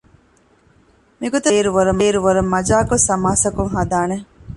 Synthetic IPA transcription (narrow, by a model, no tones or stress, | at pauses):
miɡot̪ɐːɾuʋɐɾɐmeːɾuʋɐɾɐmːɐd͡ʒaːkosɐmaːsɐkuŋɦɐd̪aːne